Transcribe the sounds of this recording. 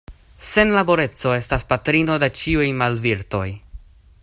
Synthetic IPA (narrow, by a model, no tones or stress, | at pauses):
se̞nlabo̞ɾe̞t͡so̞e̞staspatɾino̞de̞t͡ʃiujmalviɾto̞j